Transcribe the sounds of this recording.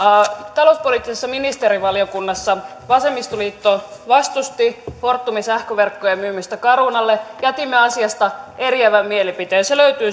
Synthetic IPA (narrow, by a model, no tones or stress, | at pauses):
t̪ɑlouspoliːˑt̪ːˑisesːɑminist̪eɾiʋɑljokunːɑsːɑ | ʋɑsemːist̪oliːt̪ːoʋɑst̪ust̪ihort̪ːumisæhkøʋerkːojemmyːmːyst̪ækɑɾunɑlːejæt̪imːeɑsiɑst̪ɑeriæʋæmmielipit̪eːseløyt̪yː